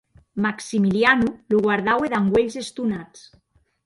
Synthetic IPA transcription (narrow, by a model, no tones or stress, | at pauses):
maksimilianuluɣwaɾð̞aweðaŋɡweʎzest̪unat͡s